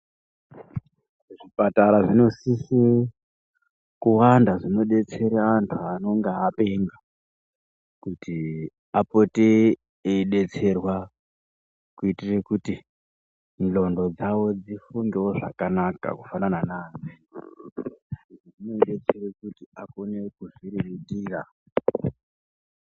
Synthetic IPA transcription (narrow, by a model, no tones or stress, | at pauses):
ʐipataɾaʐino̞sise | kuwandaʐino̞ɗe̞t͡se̞ɾaːntʰuano̞ŋɡeape̞ŋɡa | kuti | apote | eɗe̞t͡se̞rwa | kuitirekuti | nlo̞ndo̞d͡zawo̞d͡zifuŋɡewo̞ʐa̰kanaka̰kufanananaːnd͡zi | ʐiʐinoiɗet͡serekutiako̞nekuʐiriʋitiːra